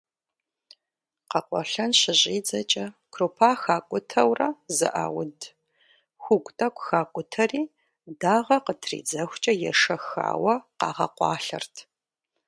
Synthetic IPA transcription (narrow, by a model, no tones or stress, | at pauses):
qɐqʷʼɔ̰ɬɐnɕɪʑʼiːd͡zɐt͡ʃʼɐkʰroːpʰaːxaːkʷʼʊtʰɐwrɐzɨ̰ʔa̰ːwʊd | xʷʊɡʷʼtʼɐkʷʼxaːkʷʼʊtʰɐriː | daːʁɐqətʰrḭːd͡zɐxʷt͡ʃʼɐjɛʂɐxa̰ːwɐqɑ̰ːʁɐ̰qʷɑ̰ːɬɐ̰rtʰ